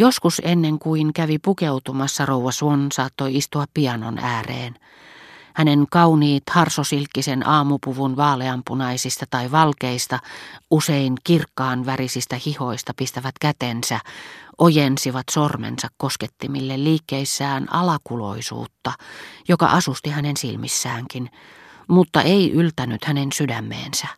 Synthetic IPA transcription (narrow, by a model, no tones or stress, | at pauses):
joskusenːeŋkuiŋkæʋipukeut̪umɑsːɑrouɑsʋonsɑːt̪ːoiist̪uɑppiɑno̰næːrḛːn | hæneŋkɑuniːt̪hɑrsosilkːisenʔɑːmupuʋunʋɑːleɑmpunɑisist̪ɑt̪ɑiʋɑlkeist̪ɑʔuseinkirkːɑːnʋærisist̪æhiho̞ist̪ɑpist̪æʋæt̪kæt̪ensæʔojensiʋɑt̪sormḛnsɑkkosket̪ːimilːelliːkːeisːæːnɑ̰lɑkulo̰isṵːt̪ːɑjokɑ̰ʔɑsust̪ihænensilmḭsːæːŋkin | mut̪ːɑʔeiʔylt̪ænyt̪hænensydæmːḛːnsæ